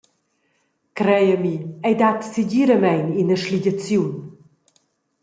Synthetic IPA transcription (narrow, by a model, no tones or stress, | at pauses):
kɾɛjəmiɛjdatsiɟiɾəmɛjninəʃliɟat͡sjun